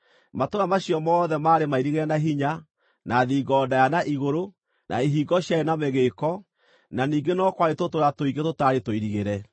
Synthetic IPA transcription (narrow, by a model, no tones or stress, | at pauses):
matoɣamaɕiɔmɔːðɛmaːɾemaiɾiɣeɾɛnaɦiɲa | naðiːɡɔdajanaʔiɣoɾo | nʔa̰iɦiːɡɔɕjaenamɛɣeːkɔ | naniːɡenɔkwaɾetotoɾatoiɡetotaɾetoiɾiɣeɾɛ